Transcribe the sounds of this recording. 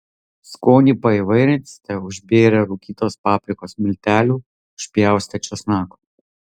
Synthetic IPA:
skoːnʲiːpɐɪʋɐɪɾʲɛnt̪ʲsʲt̪ʲɛʊʒʲbʲeːɾʲɛɾuːkʲiːt̪oːspɑːpʲɾʲɪkoːsmʲɪlʲt̪ʲæːlʲuː | ʊʃʲpʲjæˑʊsʲt̪ʲɛt͡ʃʲosnɑːko

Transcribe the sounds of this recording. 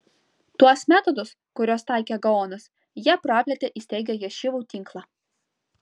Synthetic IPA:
t̪uɔsmʲæːt̪ɔd̪ʊs | kʊɾʲoːst̪ɑˑɪkʲɛːɡɐoːnɐs | jiɛpɾɑːpʲlʲɛt̪ʲeʔisʲt̪ʲɛɪɡʲɛjɛʃʲɪʋuːt̪ʲɪŋklˠɑː

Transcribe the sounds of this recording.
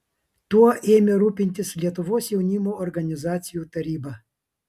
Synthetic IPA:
t̪uɔʔeːmʲeɾuːpʲɪnʲt̪ʲɪslʲiɛt̪ʊʋoːsjɛʊnʲimoːɔɾɡɐnʲɪzɑːt̪sʲɪjuːt̪ɐɾʲiːbɐ

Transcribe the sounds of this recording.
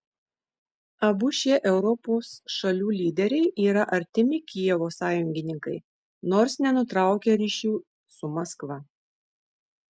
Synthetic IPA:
ɐbʊʃʲeːʔɛʊɾɔpoːsʃɐlʲuːlʲiːd̪ʲɛɾʲɛɪʔiːɾɐʔɐɾʲt̪ʲɪmʲɪkʲijɛʋoːsɑːjʊŋʲɡʲɪnʲɪŋkɐɪ | noːɾsnʲɛnʊt̪ɾɑˑʊkʲeɾʲiːʃʲuː | sʊmɐskʋɐ

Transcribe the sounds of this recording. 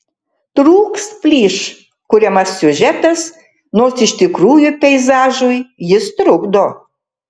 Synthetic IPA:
t̪ɾuːkspʲlʲiːʃ | kʊɾʲɛmɐsːʲʊʒʲɛt̪ɐs | noːsɪʃʲt̪ʲɪkɾuːjʊpʲɛɪzɑːʒʊjjɪst̪ɾʊɡd̪oː

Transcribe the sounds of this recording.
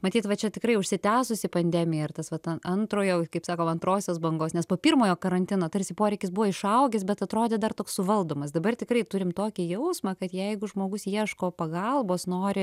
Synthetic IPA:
mɐtʲiːt̪ʋɐt͡ʃʲɛt̪ʲɪkrɐɪʊʃʲsʲɪt̪ʲæːsʊsʲɪpɐnʲd̪ʲɛmʲɪjɛɪrt̪ɐsʋɐt̪ɐnɐnt̪ɾoːjoːkɐɪpsɑːkoːmɐnt̪ɾoːsʲoːsbɐŋɡoːsnʲɛspoːpʲiːrmoːjoːkɐɾɐnʲt̪ʲɪnoːt̪ɐɾʲsʲɪpoːɾʲɛɪkʲɪsbʊʋɐɪʃɐʊɡʲɛsbʲɛt̪ɐt̪ɾoːd̪ʲeːd̪ɐrt̪oːkssʊʋɐlˠd̪oːmɐsd̪ɐbɐrt̪ʲɪkrɐɪt̪ʊɾʲɪmt̪oːkʲɪjɛʊsmɑːkɐt̪jɛɪɡʊʒmoːɡʊsjiɛʃkoːpɐɡɐlˠboːsnoːɾʲɪ

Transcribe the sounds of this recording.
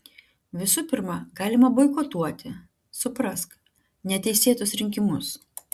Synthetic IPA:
ʋʲɪsʊpʲɪɾmɑɡɑːlʲɪmɐbɔɪkɔt̪uɔt̪ʲɪ | sʊpɾɐsk | nʲɛt̪ʲɛɪsʲeːt̪ʊsɾʲɪŋʲkʲɪmʊs

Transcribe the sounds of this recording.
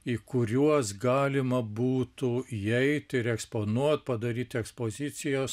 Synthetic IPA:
iːkʊɾʲuɔsɡɑːlʲɪmɐbuːt̪ʊiɛɪt̪ʲɪɾɛkspoːnuɔt̪̚pɐd̪ɐɾʲiːt̪ʲɛkspoːzʲɪt͡s̪ʲɪjoːs

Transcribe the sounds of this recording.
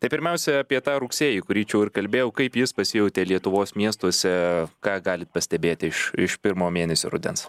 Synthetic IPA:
t̪ɐɪpʲɪɾʲmʲɛʊsʲɛɐpʲiɛt̪ɑːɾʊksʲeːjikʊɾʲiːt͡ʃʲɛʊɪɾkɐlʲbʲeːjɛʊkɐɪpjɪspɐsʲɪjɛʊt̪ʲeːlʲiɛt̪ʊʋoːsmʲiɛst̪uɔsʲɛkɑːɡɑːlʲɪt̪̚pɐsʲt̪ʲɛbʲeːt̪ʲɪɪʃɪʃpʲɪɾmoːmʲeːnʲɛsʲo̰ːɾʊ̰d̪ʲɛ̰ns

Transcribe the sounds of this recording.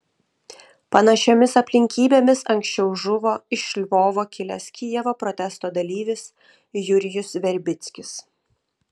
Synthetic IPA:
pɐnɐʃʲomʲɪsɐpʲlʲɪŋʲkʲiːbʲeːmʲɪsɐŋʲksʲt͡ʃʲɛʊʒʊʋoːɪʃʲlʲʋoːʋoːkʲɪlʲɛsʲkʲijɛʋopɾɔt̪ʲɛst̪oːd̪ɐlʲiːʋʲɪs | jʊɾʲɪjʊsʋʲɛɾʲbʲɪt̪sʲkʲɪs

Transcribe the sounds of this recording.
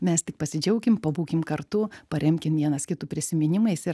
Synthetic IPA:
mʲɛst̪ʲɪkpɐsʲɪd͡ʒʲɛʊkʲɪmpɐbuːkʲɪmkɐɾt̪ʊpɐɾʲɛmʲkʲɪmʋʲiɛnɐskʲɪt̪ʊːpʲɾʲɪsʲɪmʲɪnʲɪmɐɪsɪ

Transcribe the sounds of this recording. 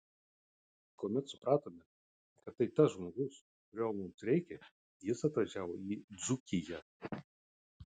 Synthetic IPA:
kuːmʲɛt̪sʊpɾɑːt̪oːmʲɛ | kɐt̪ːɐɪt̪ɐsʒmoːɡʊs | kʊɾʲoːlˠmʊmsɾʲɛɪkʲɛ | jɪsɐt̪ʋɐʒʲæːʋoːiːd̪zʊkʲɪjɛ

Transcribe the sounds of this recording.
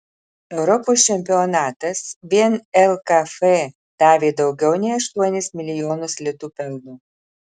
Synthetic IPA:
ɛʊɾɔpoːst͡ʃʲɛmʲpʲɪɔnɑːt̪ɐsʋʲiɛnɛlˠkɐfɛ | d̪̥ɑːʋʲeːd̪ɐʊɡʲɛʊnʲɛɪɐʃt̪uɔnʲɪsmʲɪlʲɪjoːnʊslʲɪt̪uːpʲɛlʲˠnuː

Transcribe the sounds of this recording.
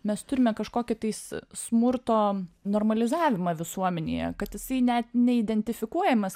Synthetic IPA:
mʲɛst̪ʊɾʲɪmʲɛkɐʃkoːkʲɪt̪ɐɪssmʊrt̪oːnoːrmɐlʲɪzɑːʋʲɪmɑːʋʲɪsuɔmʲɛnʲḛːjɛ̰kɐt̪jɪsɐɪnʲɛt̪nʲɛɪd̪ʲɛnʲt̪ʲɪfʲɪkuɔjɛmʲɛs

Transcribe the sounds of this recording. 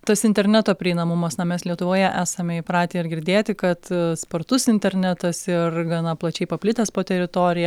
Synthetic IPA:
t̪ɐsɪnʲt̪ʲɛɾʲnʲæːt̪oːpʲɾʲɪɪnɐmʊmɐsnɐmʲɛslʲiɛt̪ʊʋoːjɛʔæːsɐmʲɛɪpɾɑːt̪ʲeːɪrɡʲɪɾʲd̪ʲeːt̪ʲɪkɐt̪spɐrt̪ʊsɪnʲt̪ʲɛɾʲnʲæt̪ɐsɪrɡɐnɐplˠɐt͡ʃʲɛɪpɐpʲlʲɪt̪ɐspoːt̪ʲɛɾʲɪt̪oːɾʲɪjɛ

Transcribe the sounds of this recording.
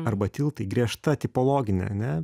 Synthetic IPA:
ɐɾbɐt̪ʲɪlˠt̪ɐɪɡɾʲiɛʃt̪ɐt̪ʲɪpoːlˠoːɡʲɪnʲɛ̰ɐnʲɛ

